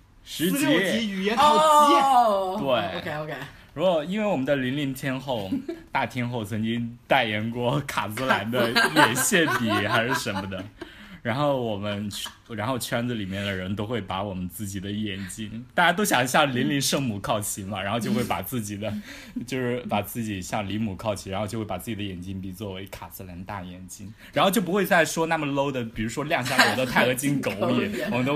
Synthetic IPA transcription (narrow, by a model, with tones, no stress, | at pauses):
ʂɻ̩˧˥t͡ɕi˧˥i˧˥˨jɛ˧˥n˥ | t̪we˥˩ɪo˧kʰe˥˧o˧kʰe˥˩ɪ | ɻu˧˥kwɔ˨˩i˥nwe˥˩ɪwɔ˨˩mə˦nd͡zli˧˥nli˧˥nt̪ʰjɛ˥nxo˥˧˩ʊt̪a˥˩t̪ʰjɛ˥nxo˥˩ʊt͡sʰɤ˧˥ŋt͡ɕi˥ŋt̪a˥˩ɪjɛ˧˥nkwɔ˥˩kʰa˨˩t͡sɹ̩˧˥la˧˥nd̪ə˧ljɛ˨˩nɕjɛ˥˩npi˨˩xa˧˥ɪʂɻ̩˥˩ʂə˧˥nmə˧d̪ə˨˩ | ɻa˧˥nxo˥˩ʊwɔ˨˩mə˦nʰ | ɻa˧˥nxo˥˧˩ʊt͡ɕʰɥɛ˥nd͡z̩˧li˨˩mjɛ˥˩nd̪ə˩ɻə˧˥nt̪o˥ʊxwe˥˩ɪpa˧˥wɔ˨˩mə˦nt͡sɹ̩˥˩t͡ɕi˨˩d̪ə˦jɛ˨˩nt͡ɕi˥nt̪a˥˧˩t͡ɕa˥t̪o˥ʊɕjɑ˨˩ŋɕjɑ˥˩ŋli˧˥nli˧˥nʂɤ˥˧ŋmu˨˩kʰɑ˥˩ʊt͡ɕʰi˧˥nlɐ˨ɻa˧˥nxo˥˧t͡ɕjo˥˧xwe˥˩pa˨˩t͡sɹ̩˥˩t͡ɕi˨˩d̪ə˦ | t͡ɕjo˥˧ʊʂɻ̩˥˩pa˨˩t͡sɹ̩˥˩t͡ɕi˨˩ɕjɑ˥˩ŋli˧˥mu˨˩kʰɑ˥˧ʊt͡ɕʰi˧˩ɻxt͡ɕjo˥˧wpa˨˩t͡sɹ̩˥˩t͡ɕi˨˩d̪ə˧jɛ˨˩nt͡ɕi˥npi˨˩t͡swɔ˥˩we˧˥ɪkʰa˨˩sɹ̩ə˥˩ljɛ˧˥nt̪a˥˩jɛ˨˩nt͡ɕi˥nɻa˧˥xt͡ɕjo˥˩ʊp̬u˧xwe˥˧ɪt͡sa˥˩ɪʂwɔ˥na˥˩mə˩lo˥ʊd̪ə˨pi˨˩ɻu˧˥ʂwɔ˥ljɑ˥˧ŋɕ̬ja˥˧lt̪o˥ʊt̪ʰa˥˩ɪɤ˧˥t͡ɕi˥nko˨˩ʊ˥˩wwɔ˨˩mə˦nt̪o˥